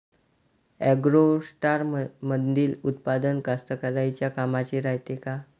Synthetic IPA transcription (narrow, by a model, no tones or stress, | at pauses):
ɛɡɾosʈaɾməd̪d̪iːlut̪̚pad̪ənkast̪əkəɾajt͡ɕjakamat͡ɕeɾajt̪eka